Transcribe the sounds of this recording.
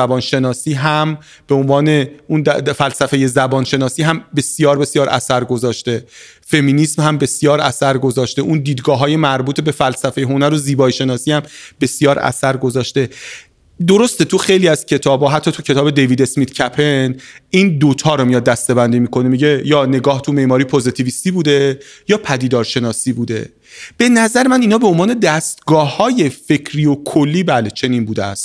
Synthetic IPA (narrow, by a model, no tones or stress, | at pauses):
æbɒːnʃe̞nɒːsiːɦæm | b̥eonvɒːne̞und̪fælsæfe̞je̞zæbɒːnʃe̞nɒːsiːɦæmbe̞sijɒːɾbe̞sijɒːɾʔæ̰sæɾɡo̞zɒːʃt̪e̞ | fe̞minismhæmbe̞sjɒːɾæsæɾɡo̞zɒːʃt̪e̞ʔund̪iːd̪ɡɒːɦɒːje̞mæɾbuːt̪ʰebe̞fælsæfejeɦonæɾoziːbɒːiʃe̞nɒːsiːhæmb̥e̞sijɒːɾæ̰sæɾɡo̞zɒːʃt̪e̞ | d̪oɾo̞st̪e̞t̪ʰuxejliːæz̥cʰe̞t̪ʰɒːbɒːɦæt̪ʰːɒːt̪ʰucʰe̞t̪ɒːbed̪e̞jviːd̪e̞smit̪cʰæpʰeniːnd̪ot̪ʰɒːɾomijɒd̪ːæst̪e̞bænd̪iːmiːkʰonemiɟejɒːne̞ɡɒːht̪ʰumeʔmɒːɾiːpʰozit̪ʰiviːst̪iːbuːd̪e̞jɒːpʰæd̪iːd̪ɒːɾʃe̞nɒːsiːbuːd̪e̞̰ | b̥e̞næzæɾemæniːnɒːbe̞onvɒːne̞d̪æst̪ɡɒːhɒːje̞fe̞cʰɾiːokʰolːiːbælet͡ʃʰe̞niːnbuːd̪eæ̰st̪